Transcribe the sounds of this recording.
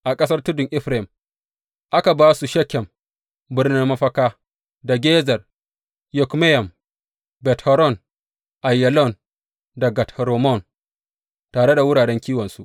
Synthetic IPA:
ʔa˨kʼɐ˦s̬ɐ˦rtʊ˦dʊ˨ŋʔɪ˦ɸɾɪ˨m | ʔa˦ka˨baː˦su˨ʃɛ˦kʲːɛ˨m | bɪ˦rnɪ˦mmɐ˦ɸɐ˦kaː˦ | da˨ɡʲeː˦zɐ˨r | jɔ˨kme˦jɐ˨m | bɛ˨thɔ˨ɾɔ˦˨n | ʔa˨jːɛ˨lɔ˦˨n | dɐ˨ɡa˨tʰɾo˨mɔ˦˨n | taː˨ɽe˦da˨wʊ˦ɽaː˨ɽɛ˦ŋkʲiː˦wɐ˨nsu˦ʔ

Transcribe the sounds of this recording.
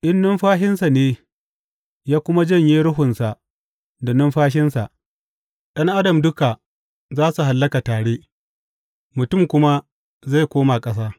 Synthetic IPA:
ʔɪ˦nːʊ˦mɸaː˦ʃɪ˦nsa˨neː˦ | jaː˦kʷʊ˦ma˦d͡ʒɐ˦ɲjeː˦ɾʊ˦ɦʊ˨nsa˨ʔ | da˨nʊ˦mɸaː˦ʃ̬ɪ˦nsa˨ʔ | ɗɐ˦ŋʔa˦dɐ˨mdʊ˦ka˨ | zaː˦su˨ɦa˨lːɐ˦ka˨taː˨ɽeː˦ | mʊ˨tʊ˦˨mkʷʊ˦ma˦ | za˦˨jkʷoː˦ma˨kʼɐ˦s̬aː˦

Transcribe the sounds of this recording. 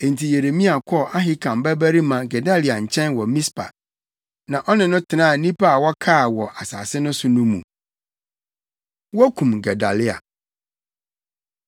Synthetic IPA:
ẽ˨n̩˨tʰi˨je˨ɾe˨mĩ˦a˨kʰɔ˦ʔa˦ɦɪ˦kʰã˨mbæ˦bæ˦ɾi˦mã˨ɡɛ˨da˦lɪ˨a˨ɲ̩˨t͡ɕʰɛ̃˦nwɔ˨mĩ˦spʰa̰˨ | nã˨ʔɔ˦nɪ̃˨nʊ̃˦tʰɪ˨nãː˦˨nĩ˦pa˦a˨wɔ˦kʰaː˦˨wɔ˨ʔa˨sa̰ː˨sɪ˦nʊ̃˦sʊ˦nʊ̃˦mṵ̃˨ | wɔ˦kʰũ˨mɡɛ˨da˨lɪ˦a̰˨

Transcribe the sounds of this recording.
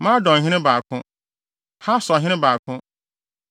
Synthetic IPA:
mã˦dɔ̃˨ɦɪ̃˦nɪ̃˦ba˨kʰʊ̃˦ | ha˦sɔ˨ɦɪ̃˦ɪ̃˦baː˨kʰʊ̃˦

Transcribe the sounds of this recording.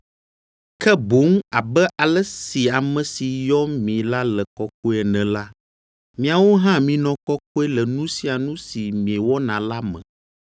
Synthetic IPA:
kɛ˦bo˨˦ŋa˨bɛ˦ʔa˨lɛ˦si˨a˨mɛ̃˨si˨jɔ˦mĩ˨la˦lɛ˨kɔ˦k̚o˦ɛ˨nɛ̃˨la˦ | mĩ˦a˨wo˦ɦã˦mĩ˨nɔ̃˨kɔ˦ko˦ɛ˦lɛ˨nũ˦si˨a˨nũ˦si˨mĩ˨ɛ˨wɔ˦nã˨la˦mɛ̰̃˨

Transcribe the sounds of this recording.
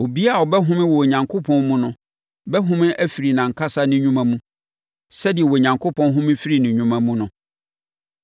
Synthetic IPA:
o˨bi˦a˦˨ɔ˨bɛ˦ɦʊ̃˦mɪ̃˦wɔ˨ɲã˨ŋkʰo˦pʰɔ̃˦nmũ˦nʊ̃˨ | bɛ˦ɦʊ̃˦mɪ̃˦ʔæ˦fi˨ɾi˨nã˨ŋ̩˨kʰa˦sa˦nɪ̃˦ɲũ˦mã˦mũ˦ | sɛ˦dɪ˨ɛ˨wɔ˨ɲã˨ŋkʰo˦pʰɔ̃˦nɦʊ̃˦mɪ̃˦fi˦ɾi˨nɪ̃˨ɲũ˦mã˦mũ˦nʊ̃˨

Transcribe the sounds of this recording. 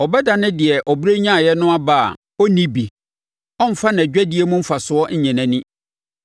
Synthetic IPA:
ɔ˨bɛ˦da˨nɪ̃˦dɪ˨ɛ˨ʔɔ˨bɾe˦ɲã˦˨jɛ˦nʊ̃˦a˦ba˦a̰˨ | ɔ˦nĩ˦bi˨ | ɔ̃˦m̩˦fa˦ñ˨d͡ʑᶣæ˦di˦e˦mʊ̃˦m̩˦fa˨sʊ˨ɔ˦ɲ̩˦ɲɛ̃˨nã˨nĩ˦

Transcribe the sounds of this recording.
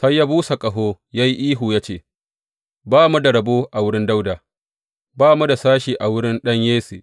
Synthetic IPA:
sa˦jːaː˦buː˦sa˨kʼɐ˨ɦoː˦ | ja˦ji˦ʔiː˦ɦuː˨jaː˦t͡ʃeː˦˨ | baː˦mu˦da˨ɽɐ˨boː˦ʔa˨wʊ˦ɽɪ˦nda˦wda˨ | baː˦mu˦da˨saː˦ʃiː˨ʔa˨wʊ˦ɽɪ˦nɗɐ˦ɲjeː˦siː˨

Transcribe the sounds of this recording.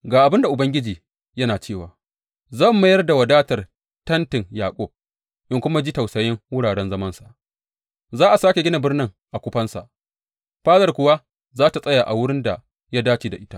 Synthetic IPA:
ɡaː˨ʔa˨bɪ˦nda˨ʔʊ˨bɐ˦ŋɡʲɪ˦d͡ʒiː˨ | jɐ˦naː˨t͡ʃeː˦˨waː˨ | zɐ˦˨mːa˦jɐ˦rda˨wɐ˨daː˦tɐ˨r | tɐ˦ntɪ˨ŋjaː˨kʷʼɔ˦b̚ | ʔɪ˦ŋkʷʊ˦ma˦d͡ʒiː˦ta˨wsɐ˨jɪ˦ŋwʊ˦ɽaː˨ɽɛ˦nzɐ˦mɐ˦nsḁ˨ʔ | zaː˦ʔa˨saː˦kʲe˨ɡʲɪ˦na˨bɪ˦rnɪ˦ŋ | ʔa˨kʷʊ˦ɸɐ˦nsa̰˨ʔ | ɸaː˦zɐ˨rkʷʊ˨wa˦ | zaː˦ta˨sʼɐ˦ja˨ʔa˨wʊ˦ɽɪ˦nda˨ | ja˦daː˦t͡ʃiː˨da˨ʔɪ˦ta˦ʔ

